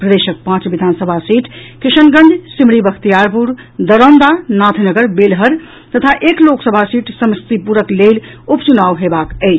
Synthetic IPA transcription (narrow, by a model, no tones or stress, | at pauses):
pɾəd̪eʃək̚pãt͡ʃbid̪ʱansəbʱasiʈʰkisənɡə̃nd͡ʒsimɽibəkʰt̪ijaɾpuɾd̪əɾənd̪anat̪ʰnəɡəɾbelɦəɾ | t̪ət̪ʰaʔekloksəbʱasiʈsəmst̪ipuɾəklelupt͡ʃunawɦebakəɪt͡ʃʰ